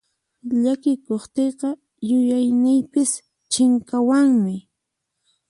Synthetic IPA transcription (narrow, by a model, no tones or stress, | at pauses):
ʎakɪkoχt̪eqɑ | jʊjajnɪjpɪs | t͡ʃɪŋkawaŋmɪ